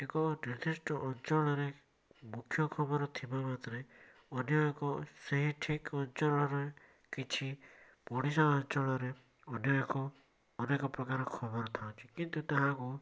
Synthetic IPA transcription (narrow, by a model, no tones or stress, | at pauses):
ekɔɾid̪isʈɔʔɔnt͡ʃɔɭ̃ɔɾe | mukʰjɔkʰɔbɔɾɔt̪ʰibamat̪ɾe | ɔnjɔekɔseɦiʈʰikɔnt͡ʃɔɭɔɾe | kit͡ʃʰi | pɔɽ̃isaɔnt͡ʃɔɭɔɾe | ɔnjɔekɔː | nekɔpɾɔkaɾɔkʰɔbɔɾɔt̪ʰaw̃t͡ʃʰi̥kint̪ut̪aɦãku